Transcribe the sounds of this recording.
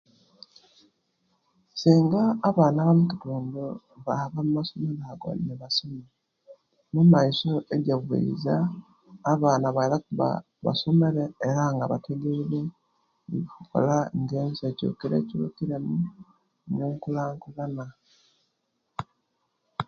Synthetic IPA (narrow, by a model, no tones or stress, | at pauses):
siːŋɡaːβaːnaβamutituːndo | βaaβamumasomeɾaɡo̰neβasome | numaiso̞eɟaβḛḭzaː | βaːnaβailakuβa̰ | βa̰someɾeːɾaŋɡaβatʰeɡeβe | iβikuko̰laŋɡeːnseco̰ːkiɾḛciukiɾemu | noːŋkulaːŋkulana